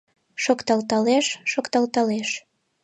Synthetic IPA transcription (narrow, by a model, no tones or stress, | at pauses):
ʃokt̪ɑlt̪ɑleʃːokt̪ɑlt̪ɑleʃ